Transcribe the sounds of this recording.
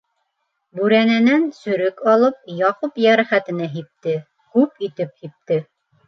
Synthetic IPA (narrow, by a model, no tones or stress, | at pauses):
bʉɾænænænsɵ̆ɾɘkɑlˠɤp̚jɑqupjæɾæχæt̪ɘ̆næɦip̚t̪ɘ | kʉpit̪ɘp̚hip̚t̪ɘ